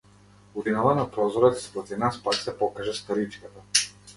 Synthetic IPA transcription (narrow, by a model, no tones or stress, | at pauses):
uvinɔvanapɾɔzɔɾɛt̪spɾɔt̪ivnaspaksɛpɔkaʒɛst̪aɾit͡ʃkat̪a